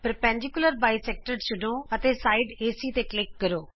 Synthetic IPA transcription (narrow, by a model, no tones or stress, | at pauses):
pəɾəpɛ̃ːɳd͡ʒɪkʊləɾbaːiːsɛːk̚ʈəɾt͡ʃʊɖoːət̪eːsaːiɖeːsiːt̪eːklɪk̚ːəɾoː